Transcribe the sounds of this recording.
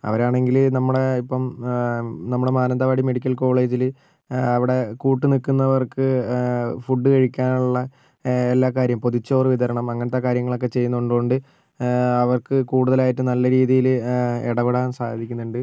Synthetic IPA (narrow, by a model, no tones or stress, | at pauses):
ɐ̰ʋɐɾaːɳe̞ŋɡilnɐmːuɽe̞ipːɐm | nɐmːuɽe̞maːnɐnd̪ɐʋaːɽime̞ɽikʲːɐlko̞ːɭe̞ːd͡ʑil | ɐʋiɽe̞kuːʈːɨnikːunːɐʋɐrkɨ | fuɖːɨkɐɻikʲːaːnuɭːɐ | elːaːkaːɾjɐmpo̞ðut͡ɕːo̞ːrɨʋid̪ɐɾɐɳɐmɐŋːɐnet̪ːeːkaːɾjɐŋːɐɭo̞k̬ːe̞t͡ɕe̞jːunːuɳɖɨɣoɳɖɨ | ɐʋɐrkɨkuːɽuðɐlaːjiʈːɨnɐlːɐɾiːðijilḛɽɐʋeɽaːnsa̰ːd̪ʱikʲːunːuɳɖɨ